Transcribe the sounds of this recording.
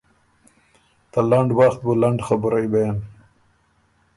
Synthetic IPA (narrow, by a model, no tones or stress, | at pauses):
t̪alaɳɖwaxt̪̚bulaɳɖxabʊɾajbajan